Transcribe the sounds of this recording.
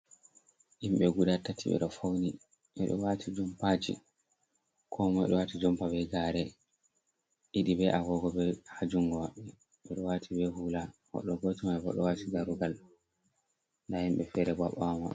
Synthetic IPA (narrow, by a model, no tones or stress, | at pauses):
ʔimɓɛɡuɗatːatʰiɓɛ̰ɗɔfawni | ʔɛɗɔ̰watʰid͡ʒɔmpad͡ʒḭ | kʰɔmɔɛ̰ɗɔwatid͡ʒɔmpabɛɡaːɾɛ | ʔiɗibɛʔaɡɔɡɔbɛhad͡ʒuŋɡɔwaɓːɛ | ɓɛɗɔwatʰibɛhulahɔ̰ɗɔɡotimaɛbɔ̰ɗɔwatiɡaɾuɡal | ndahimɓɛfɛɾɛbaɓama